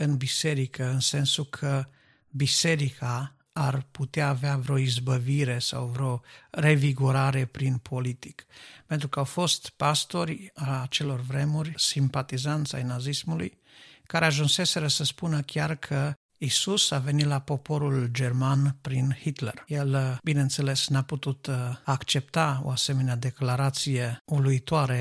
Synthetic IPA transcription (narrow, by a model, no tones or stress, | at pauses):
ɨnbise̞ɾikəɨnse̞nsukʰə | bise̞ɾikʰaː | rput̪eaːveavɾeo̞izbəviɾe̞sa̰wvɾeo̞re̞viɡuɾaɾe̞pɾinpʰo̞lit̪ikpe̞nt̪ɾukəawfo̞st̪past̪o̞ɾʲaat͡ʃe̞lo̞rvɾe̞murʲsimpat̪izant̪sʲa̰jnazismulṵj | kaɾe̞aʒunse̞se̞ɾəsəspunəkʲarkʰə | isusave̞nit̪lapo̞po̞ɾuld͡ʒe̞rmanpɾinhit̪lerjelbine̞ɨnt̪se̞le̞snaput̪ut̪akt͡ʃe̞p̚t̪ao̞̰ase̞me̞nead̪e̞klaɾat̪sije̞uluit̪oaɾe